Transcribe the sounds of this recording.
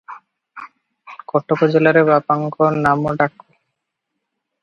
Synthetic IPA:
kɔʈːokod͡ʑelaɾebapaŋkonamoɖakːo

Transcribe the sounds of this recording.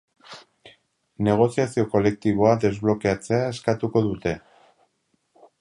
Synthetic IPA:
ne̞ɣ̞o̞siasio̞ko̞le̞k̚t̪iβ̞o̞ad̪e̞zβlo̞keat͡se̞aeskat̪uko̞ðut̪e̞

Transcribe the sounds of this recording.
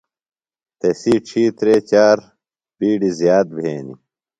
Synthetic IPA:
t̪esiːʈ͡ʂʰiːt̪ɾeːt͡ɕaːɾ | biːɖizjaːt̪̚bʱeːnḭ

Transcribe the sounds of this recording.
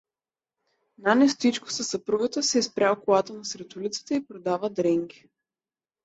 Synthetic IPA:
nanɛst̪it͡ʃkʊ̥sɐsɐpɾuɡət̪əsɛispɾʲaɔkolˠat̪ənɐsɾɛt̪ulit̪si̥t̪ɛipɾod̪avəd̪ɾɛŋɡʲi

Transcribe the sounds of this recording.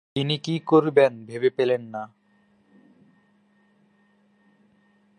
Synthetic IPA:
t̪inikikoɾbenbʱebepelenːa

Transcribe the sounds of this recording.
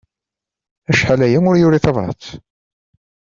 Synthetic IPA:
æʃħalæjænʊɾjʊɾiθɑvɾˤɑ̰t͡s

